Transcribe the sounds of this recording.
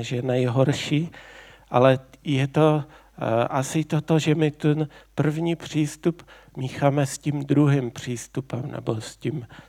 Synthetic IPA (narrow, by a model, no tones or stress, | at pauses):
ʒɛnɛjɦoɾʃiːʔalɛjɛt̪o | ʔasɪt̪ot̪oʒɛmɪt̪ɛnpr̩vɲiːpr̥iːst̪up | miːxaːmɛscimd̪ɾuɦimpr̝̥iːst̪upɛmnɛ̰boscim